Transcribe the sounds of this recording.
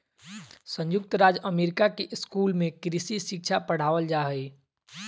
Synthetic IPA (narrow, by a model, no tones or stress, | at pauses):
sə̃ɲjʊk̚t̪ɾaːd͡ʒəmeːɾɪkakeʔskuːlmẽkɾisisɪk̚t͡ʃʰapəɽ̤aːʋəld͡ʒaːɦəi